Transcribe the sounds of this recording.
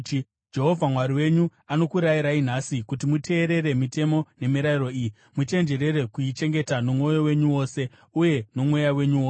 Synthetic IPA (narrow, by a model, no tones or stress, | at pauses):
d͡ʒe̞ɦo̞vʱamwaɾiwe̞ɲuano̞kuɾajiɾain̤asikutimute̞ːɾe̞ɾe̞mite̞mo̞ne̞miɾairo̞iji | mute̞nd͡ʒe̞ɾe̞ɾe̞kuit͡ʃe̞ŋɡe̞tanomo̞jowe̞ɲuwo̞ːse̞ | uje̞no̞mwo̞jawe̞ɲuwoːse